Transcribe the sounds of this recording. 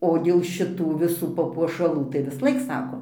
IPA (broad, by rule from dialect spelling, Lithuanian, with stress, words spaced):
oː dʲeːlˠ ʃʲɪˈtuː ʋʲɪˈsuː pɐpuɔʃɐˈlˠuː tɐɪ ʋʲɪsˈlˠɐɪk ˈsɑːkoː